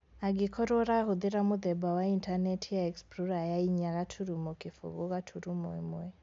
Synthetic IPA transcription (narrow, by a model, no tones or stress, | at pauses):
aɡikʰɔɾɔɾahuðiɾamuðɛbawaintanɛtʰijaɛkspɾuɾajaiɲaɣatʰuɾumɔkifṵɣuɣatʰuɾumɛ̰mwɛ